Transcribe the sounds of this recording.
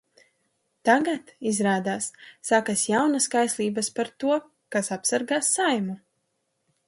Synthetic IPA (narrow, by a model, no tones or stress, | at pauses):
t̪aɡat̪izɾaːd̪aːsːakasjawnaskajslˠiːbɐspaɾt̪uɔ | kasapsaɾɡaːsːajmu